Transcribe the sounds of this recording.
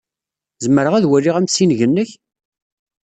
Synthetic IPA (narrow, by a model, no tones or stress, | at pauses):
zəməɾəʁæðwælːiʁæmsinʝənːəç